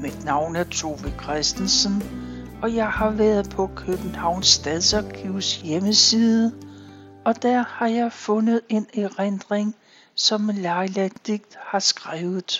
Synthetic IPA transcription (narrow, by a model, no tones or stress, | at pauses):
mid̥nɑ̈ʊ̰næɐt͡sʰo̝ːʋikʰʁɛsd̥n̩sən | ɒ̽jɑ̈ɪhɑ̈ʋæɐðˠpʰɒ̽kʰøb̥n̩hɑ̈ʊ̰nsːd̥æðˠsɒɡ̥ʰiʊsjeməsiːðˠə | ɒ̽d̥æɐhɑ̈jɑ̈ɪfɔ̽nəð̞̩ˠe̝neʁend̥ʁeŋ | sɒ̽mlɑ̈ɪlæd̥iɡ̥̚d̥hɑ̈sɡ̥ʁaːʊð̩ˠ